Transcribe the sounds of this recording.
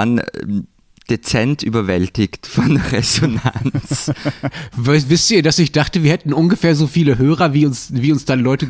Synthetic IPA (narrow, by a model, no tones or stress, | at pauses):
an | d̥et͡sɛntyːbɐvɛltɪçtfɔnʁezona̰nt͡s | vvɪstʔiːɐdasɪçd̥aχtəviːɐhɛtn̩ʔʊnɡəfeːɐzoːfiːləɦøːʁ̞ɐviːʊnsviːʊnsd̥anlɔʏtə